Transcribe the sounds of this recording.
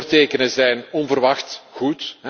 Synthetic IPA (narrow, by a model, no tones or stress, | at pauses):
rteːkənəzɛjnɔnvərʋɑxtɣutɦɛ